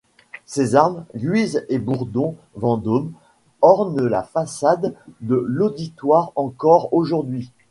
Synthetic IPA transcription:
sezaʁmɡɥizebuʁd̪ɔ̃ | vɑ̃d̪om | ɔʁnəla̰fasad̪ːəlod̪it̪waʁɑ̃kɔʁoʒuʁd̪ɥi

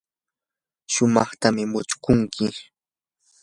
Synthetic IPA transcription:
ʃʊmɑχt̪amɪmʊt͡ʃkʊŋkʰɪ

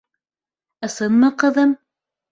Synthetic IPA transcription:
ɤ̆sɤnmɤqɤ̆ðɤm

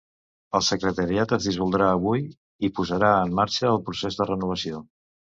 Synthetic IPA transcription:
əlˠsəkɾət̪əɾiat̪əzðizβulˠd̪ɾaːβ̞uj | ipuzəɾaəmːaɾt͡ʃəːlˠpɾusezðərənuβ̞əsio

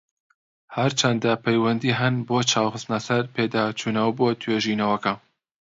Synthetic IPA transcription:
hɐɾt͡ʃʰɐnd̪ɐpʰɐjwɐnd̪iːɦɐnboːt͡ʃʰaːwxɨst̪nɐsɐɾpʰeːd̪aːt͡ʃʰuːnɐwboːt̪ʰweːʒiːnɐwɐkɐ

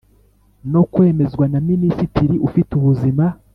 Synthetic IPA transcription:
no̞kwe̞ːme̞zɡwanaminisitiɾiʔufituβuzima

